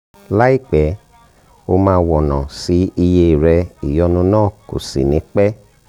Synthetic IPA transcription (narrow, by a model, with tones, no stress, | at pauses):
la˦i˦˨k͡pɛ˨˦ | o˧mãː˧wɔ˨nã˨si˨˦i˧je˧i˨ɾɛ˧i˨jɔ˨˧nũ˧˦nãː˦˨ko̰˨sḭ˨nĩ˨˦k͡pɛ˦